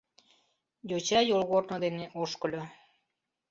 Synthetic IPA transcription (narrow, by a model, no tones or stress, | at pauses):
jot͡ɕɑjolɣoɾnod̪eneʔoʃkə̆lʲo